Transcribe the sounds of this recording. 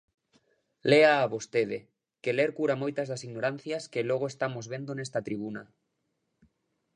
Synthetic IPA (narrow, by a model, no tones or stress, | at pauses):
leaːβost̪eð̞e | keleɾkuɾamojt̪ɐzðasiɣnoɾan̟θjɐskeloɣ̞oest̪amozβend̪onest̪at̪ɾiβ̞una